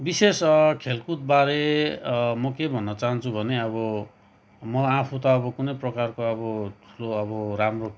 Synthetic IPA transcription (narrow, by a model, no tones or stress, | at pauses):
biseskʰelkut̪̚baɾe | mʌkebʱʌnːʌt͡saɦʌnt͡sʰubʱʌneʌbʌ | mʌãpʰut̪ʌːbʌkunʌjprʌkarkoʌbʌʈʰu̥loʌbʌɾamro